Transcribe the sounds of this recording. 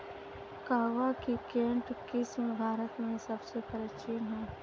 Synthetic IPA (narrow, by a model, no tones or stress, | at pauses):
kaɦʋakikẽːɳʈkɪsmẽbʱaːɾət̪mẽsɐbsepɐɾat͡ʃiːnɦɛː